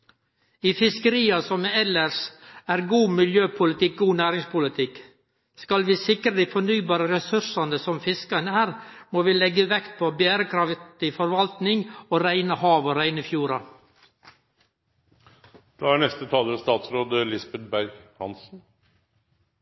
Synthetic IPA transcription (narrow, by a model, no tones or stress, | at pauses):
iːfɪskəɾiːɑsɔmɛɛləsæːɾɡuːmɪljøːpʰʊlɪt̪ɪk̚ɡuːnæːɾɪŋspʊlət̪ʰɪk | skɑlʋiːsɪkəɾəd̪iːfɔɳyːbɑːɾəɾɛsʉsɑnəsɔmfɪskɑnəæːɾmoːʋiːlɛɡəʋɛkt̪̚pʰoːbjæːɾəkʰɾɑftt̪ɪfɔɾʋɑlt̪nɪŋoːɾæɪnəhɑːʋoɾæɪnəfjuːɾɑ | d̪̥ɑːæɳɛst̪ət̪ʰɑːləɾst̪ɑːt̪sɾoːd̪əlɪsbɛt̪̚bæɾɡhɑ̰nsn̩